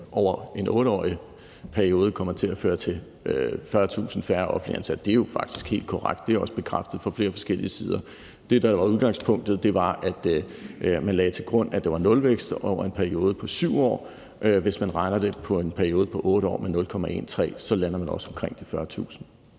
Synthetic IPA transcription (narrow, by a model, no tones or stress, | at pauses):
ʔɒʊ̰ɐe̝nʔɔ̽ːɾ̥əɒ̰ːi | pʰæɐio̝ːð̞̩ˠkʰɒ̽m̰ɐt͡sʰe̝læføːɐt͡sʰe̝ | øfɶɐt͡sʰṵːsn̩fæɐʔɒfn̩liænsæd̥d̥e̝æjo̝fɑ̈ɡ̥d̥i̥sɡ̥he̝̰ːld̥kʰɒ̽ʁaɡ̥d̥d̥e̝æɒ̽səb̥e̝kʰʁafd̥ð̩ˠfɒ̽fle̝ːɐfɒ̽sɡ̥el̰iəsiːð̞ˠɐ | d̥e̝d̥ɑ̈ʋɑ̈uðˠɡ̥ɑ̈ŋspʰɔ̽ŋ̰d̥ð̞̩ˠd̥e̝ʋɑ̈ʔæd̥ | mænlɛːt͡sʰe̝lɡ̥ʁɔ̽n̰æd̥eʋɑ̈nɔ̽lʋeɡ̥sd̥ʔɒʊɐe̝npʰæɐio̝ːð̞ˠəpʰɒ̽syʊ̰ɒ̰ː | ʔʋe̝smænʁɑ̈ɪnɐd̥e̝pʰɒ̽e̝npʰæɐio̝ːð̞̩ˠpʰɒ̽ʔɔ̽ːɾ̥əɒ̰ːmenɔ̽lkʰɒ̽mæʔe̝̰ːnt͡sʰʁɛ̰ːsɒ̽lænɐmænɒ̽sɒ̽mkʰʁeŋ̰d̥ifɶɐt͡sʰṵːsn̩